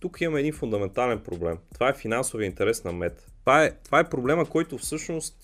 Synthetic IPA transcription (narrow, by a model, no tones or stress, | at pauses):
t̪ukimɐmɛɛd̪infʊnd̪ɐmɛnt̪alɛnpɾoblɛmt̪ovaɛfinansovjəint̪ɛɾɛsnɐmɛt̪ː | vaɛt̪ovaɛpɾoblɛməkɔjt̪ʊfsɤʃnost̪